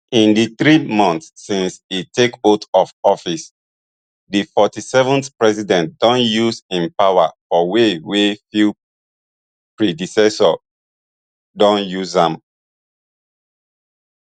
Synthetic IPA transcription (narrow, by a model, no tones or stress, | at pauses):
ĩndiθɹimɔ̃nθsːĩnsitekotɔfɔfis | difɔtisɛvɔ̃nθpɹɛsidɛ̃ntd̥ɔ̃njusĩnpawa̰fɔwewefi | pɹidisɛsɔ | dɔ̃njuzãm